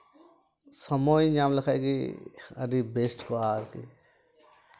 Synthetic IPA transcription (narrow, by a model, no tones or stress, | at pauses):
səmoːiɲaːmləkʰaɡiə̰d̪iːbeːsʈkoaːɾkḭ